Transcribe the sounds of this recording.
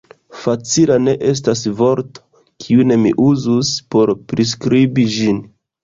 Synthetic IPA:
fat͡silane̞ʔe̞s̬tasvo̞ɾto̥ | kʰiune̞mḭʔuzuspo̞ɾpɾis̬kɾibid͡ʒin

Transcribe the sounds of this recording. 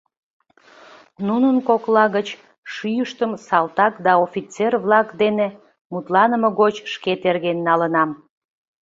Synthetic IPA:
nunənkoklɑɣət͡ɕ | ʃyjəʃt̪əmsɑlt̪ɑkd̪ɑofʲit͡serβlɑkd̪ene | mut̪lɑnəməɣot͡ɕʃket̪erɣenːɑlənɑm

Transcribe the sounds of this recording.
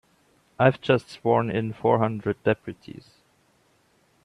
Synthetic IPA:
aɪvd͡ʒʌstswɔɹnɪ̃nfɔɹhʌ̃ndɹɨdɛpʰɹɨtʰḭz̥

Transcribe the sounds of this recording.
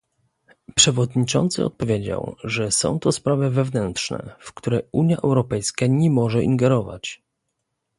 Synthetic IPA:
pʂɛvɔd̪ɲit͡ʂɔnt̪sɘ̰ɔ̰t̪̚pɔvʲjed͡ʑa̰wʐɛsɔ̰̃w̃t̪ɔspɾavɛvɛvnɛnt̪ʂnɛ̰fkt̪uɾɛuɲjaʔɛwɾɔpɛjskaɲɛmɔʐɛʔḭŋɡɛɾɔva̰t͡ɕ

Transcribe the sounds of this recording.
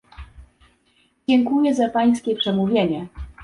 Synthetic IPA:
d͡ʑɛŋkujɛzapaj̃skʲɛpʂɛmuvʲjeɲɛ

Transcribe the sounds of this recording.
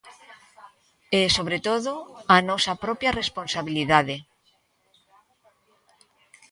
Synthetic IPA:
esoβ̞ɾet̪oðoanɔsapɾɔpjaresponsaβiliðaðe

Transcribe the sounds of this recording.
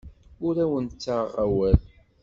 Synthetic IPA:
ʊɾæwənt͡sːaʁæwæl

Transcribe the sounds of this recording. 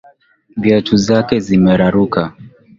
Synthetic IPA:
vjɛtuzakɛzimɛɾaɾuka

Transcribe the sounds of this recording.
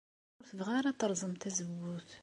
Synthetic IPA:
ʊɾθəvʁaɾat̪əɾˤzˤəmt̪æzəwːuθ

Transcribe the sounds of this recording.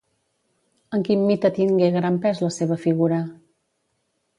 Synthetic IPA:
əŋkimmit̪ət̪iŋɡeɣɾampɛzləseβəfiɣ̞uɾə

